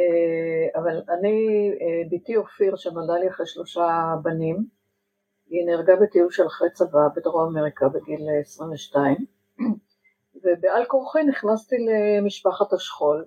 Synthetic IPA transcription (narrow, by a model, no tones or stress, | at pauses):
eavalaniebitiofiʁʃenoldaliaχʁeʃlo̞ʃabanim | ineʁɡabet̪iuvʃelaχʁet͡savabed̪ʁoameʁikabeɡilːsʁiɱveʃtaim | vebealkoʁχiniχnast̪ilemiʃpaχat̪haʃχo̞l